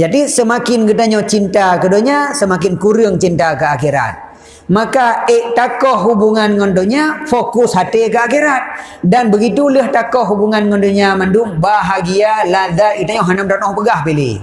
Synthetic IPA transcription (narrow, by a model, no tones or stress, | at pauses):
d͡ʒadisəmakɪnɡət̪aɲɔt͡ʃint̪akədoɲasəmakɪnkuɾəŋt͡ʃint̪akəakiɾa̰t̪̚ | makaeʔt̪akɔhːubuŋanŋɔndoɲafokusɦat̪ekəakiɾat̪̚ | danbəɡit̪uləht̪akɔhɦubuŋanŋɔndoɲamandumbaɦaɡialad̪ait̪aɲɔɦanəmt̪anɔhpəɡahpelḛ